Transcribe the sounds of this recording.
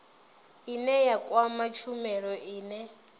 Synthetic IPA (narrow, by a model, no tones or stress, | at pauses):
inɛjakʼwamat͡ʃʰumɛɺɔʔiːnɛ